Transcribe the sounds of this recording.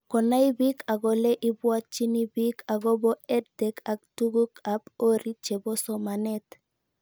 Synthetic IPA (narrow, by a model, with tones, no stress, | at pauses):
kɔ˨na˦i˦bi˦ka˨ɡɔ˨lɛ˦ʔi˦bwa˦t͡ʃːi˦ni˦bi˦ka˨ɡɔ˦bɔ˦ɛ˦ddɛ˦ka˨k̚tu˦ɡu˦ka˦po˦ɾi˦t͡ʃe˨bɔ˦sɔ˨ma˨nɛ˦t